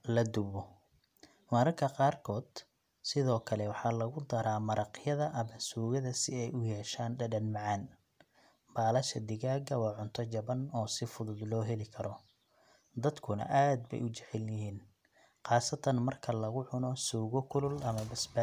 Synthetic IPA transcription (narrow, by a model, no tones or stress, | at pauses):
lɐd̪ʊβɔ | mɐɾɐrkʰɐqɑːrkʰɔːd̪̥ | sɪðɔːkʰɐlɛwɑħɑːlɐɣʊd̪ɐɾaːmɐɾɑqjɐðɐʔɐmɐsuːɣɐðɐsɪɛjʊjɛːʃaːnɖɐɖɐnmɑʕɑn | b̥aːlɐʃɐd̪ɪɣaːɡɐwɑːʕʊnt̪ʰɔt͡ʃɐβɐnɔːsɪfʊðʊd̪lɔːɦɛlɪkʰɐɾɔ | d̪ɐd̪kʰʊnɐ̰ʔaːd̪̚bɛ̰jʊt͡ʃɛʕɛljɪɦiːn | qɑːsɐt̪ʰɐnmɐrkʰɐlɐɣʊʕʊnɔsuːɣɔkʰʊlʊlɐmɐbɐsba